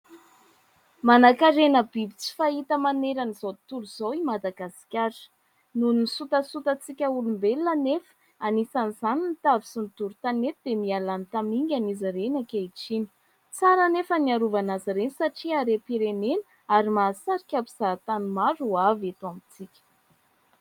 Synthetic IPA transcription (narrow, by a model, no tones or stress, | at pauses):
manakaɾenəbibit͡si̥fait̪əmaneɾanizot̪uluzowimad̪aɡasi̥kʲḁ | nunisut̪əsut̪ət͡sikʲəulumbelnanefə̥ | anisanizaninit̪avisunt̪uɾut̪anet̪id̪̥emialant̪amiŋɡʲanizaɾenakʲeiʈ͡ʂini̥ | t͡saɾənefəniaɾuvanaziɾenisaʈ͡ʂiaɾepiɾenenə | aɾimasaɾikʲapiz̥at̪anumaɾuavat̪uamit͡sikʲə̥